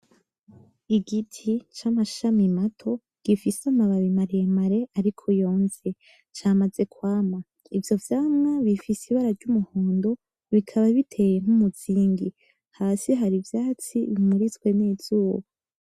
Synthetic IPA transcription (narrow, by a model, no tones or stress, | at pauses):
iɡitʰit͡ʃamaʃamimatʰo̞ | ɡ̥ifisamaβaβimaɾijemaɾe̞ʔaɾikʰojo̞ːnze̞ | t͡ʃaːmaze̞kwaːma | ivjo̞vjaːmŋaβifisiβaɾaɾɟumuhoːndo̞ | βikʰaβaβitʰe̞jeŋ̥humuz̥iːŋɡi | haːsiɦaɾivjaːt͡siβimuɾit͡skwe̞neːz̥uːβo